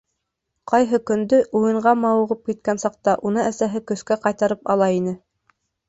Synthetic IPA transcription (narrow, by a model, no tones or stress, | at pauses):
qɑjɦɤkɵ̆nd̪ɵʔujɤ̆ɴɢɑmɑŭʁɤp̚kit̪̚kænsɑq̚t̪ɑʔunɤʔæsæɦɘkɵ̆skæqɑjt̪ɑɾɤpɑlˠɑinɘ